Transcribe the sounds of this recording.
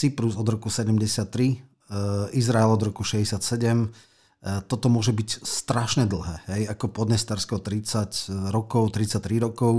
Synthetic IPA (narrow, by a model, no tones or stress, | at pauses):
t͡sipɾuzɔd̪ɾɔkusɛɟɛmɟɛsɪat̪ːɾi | izɾaɛlɔd̪ɾɔkuʃɛzɟɛsɪat̪sɛɟɛm | t̪ɔt̪ɔmʊɔʒɛbicst̪ɾaʃɲɛd̪l̩ɦɛːɦɛjakɔpɔd̪ɲɛst̪aɾskɔʊt̪ɾit͡sacɾɔkɔʊt̪ɾit͡sac̚t̪ɾiɾɔkɔʊ